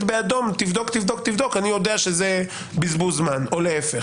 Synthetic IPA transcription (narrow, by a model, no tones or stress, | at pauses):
t̪bead̪o̞mt̪ivd̪o̞kt̪ivd̪okt̪ivd̪o̞kanijo̞d̪eaʃeze | bizbuzmano̞leefe